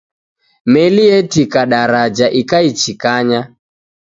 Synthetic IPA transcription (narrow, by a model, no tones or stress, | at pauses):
mɛliɛtikaɗaɾad͡ʒaʔikait͡ʃikaɲa